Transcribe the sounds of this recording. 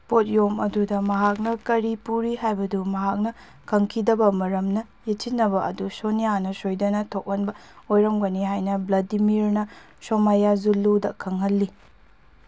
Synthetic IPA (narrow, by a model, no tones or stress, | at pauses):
pot̚jomɐdudɐmɐɦak̚nɐkɐɾipuɾiɦajbɐdumɐɦak̚nɐ | kʰɐŋkʰidɐbɐmɐɾɐmnɐ | jet͡ʃitnːɐbɐʔɐ̰dusonijanɐsojdɐnɐtʰok̚ɐnbɐ | ojɾɐmɡɐniɦajnɐblɐdimiɾnɐ | somajazulːudɐ̰kʰɐŋɦɐlːi